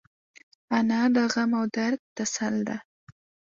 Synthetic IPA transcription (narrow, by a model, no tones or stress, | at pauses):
anɑɖ̪aɣamawd̪aɾd̪̚t̪asald̪a